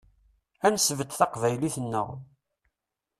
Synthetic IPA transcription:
ænsvəd̪θɑqvæjliθənːə̰ʁ

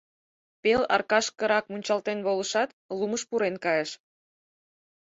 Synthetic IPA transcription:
pelɑ̰rkɑʃkə̆ɾɑkmunʲt͡ɕɑlt̪enβoləʃɑt̪ | luməʃpuɾenkɑjeʃ

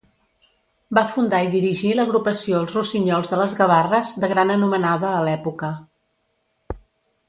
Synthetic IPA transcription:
bafund̪aiðiɾiʒiləɣɾupəsioəlˠzrusiɲɔlˠzðələzɣəβarəzðəɣɾanənumənaðəːlɛpukə

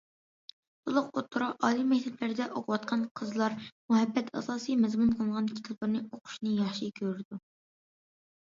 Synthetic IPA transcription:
t̪ʰolˠʊqot̪ʰːuɾɑʔɑːlimɛk̚ʲt̪ʰɛpʰlɪɾɪd̪ɛʔoqʰʊwɑt̪qʰɑnqʰəzlˠɑɾmuɦɛbːɛt̪ʰɑ̰sɑːsijmɛzmunqʰəlˠŋʁɑnkʲʰi̥t̪ʰɑplˠɨɾnɨoqʰʊ̥ʃnɨjɑχʃikʲʰøɾɾɪd̪u

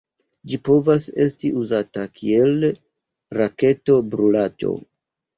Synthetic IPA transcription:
d͡ʒipo̞vase̞stiʔuzatakʰie̞l | ɾake̞to̞bɾulad͡ʒo̞̰

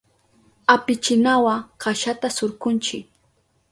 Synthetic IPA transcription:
apɪt͡ʃɪnawaɢaʃat̪asʊɾkʊnt͡ʃɪk̚

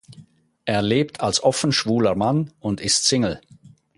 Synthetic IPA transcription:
ʔeːɐleːp̚tʰalsʔɔfn̩ʃv̥uːləmanʊntɪstt͡sɪŋl̩

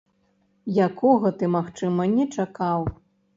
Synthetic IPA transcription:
jakʰɔɣɐt̪ɨmaxt͡ʂɨmɐnʲɛt͡ʂakaw

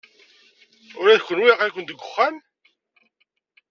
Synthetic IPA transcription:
ʊɾæðçʷːənwiʁakʷənd̪əɡʷːʊχːæn

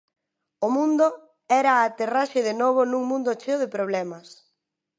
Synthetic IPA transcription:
ʊmũnd̪o | ɛɾaːt̪eraʃeðenoβonũŋmũnd̪ot͡ʃeʊðepɾoβ̞lɛmɐs

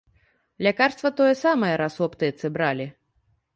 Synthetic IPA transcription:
lʲakarst̪vɐt̪ɔjɛsamɐjɛɾasɔpt̪ɨjɛt̪sɨbɾalʲi

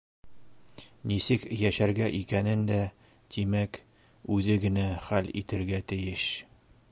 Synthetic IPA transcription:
nisɘkjæʃæɾɡæʔikænɘnd̪æ | t̪imæk | ʉðɘɡɘ̆næχælḭt̪ɘ̆ɾɡæt̪ɘ̆jɘʃ

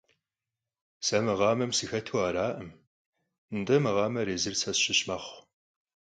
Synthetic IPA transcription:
sɐmɨʁɑːmɐmsɨxɐtʰuwaːɾaːʔɐm | ndɐmɨʁɑːmɐɾeːzɨrsʰɐsɕɪɕmɐχʷ

